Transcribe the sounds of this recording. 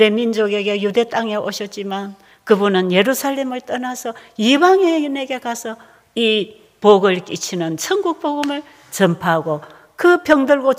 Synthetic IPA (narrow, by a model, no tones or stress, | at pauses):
ɾemind͡ʑoɡe̞ɡe̞jude̞t͈aŋe̞ʔoɕʰʌt̚t͡ɕ͈iman | kɯbunɯnje̞ɾusʰaɭːe̞mɯɭt͈ʌnasʰʌibaŋene̞ɡe̞kasʰʌ | i | poɡɯɭkit͡ɕʰinɯnt͡ɕʰʌŋɡuk̚p͈oɡɯmɯɭ | t͡ɕʌmpʰaɦaɡo | kɯpʰjʌŋdɯɭɡo